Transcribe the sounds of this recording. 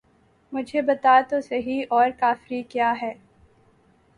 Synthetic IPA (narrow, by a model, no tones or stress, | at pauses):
mʊd͡ʒʱebɐt̪aːt̪osɐɦiɔːɾkaːfɾikjaːɦɛː